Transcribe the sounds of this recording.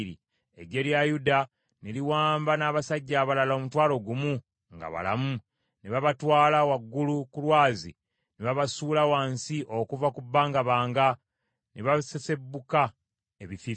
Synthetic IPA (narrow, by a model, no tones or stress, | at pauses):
ɾḭ | e̞̰ɟe̞ljajuda | neliwaːmbanaːβasaɟːaːβalalomutwaːlo̞ɡumu | ŋɡa̰βa̰la̰mu | neβaβatwaːlawaɡːulukulwaːzḭ | neβaβasuːlawaːnsiʔo̞kuvakubːaːŋɡaβaːŋɡa | neβasese̞bːuka | eβifi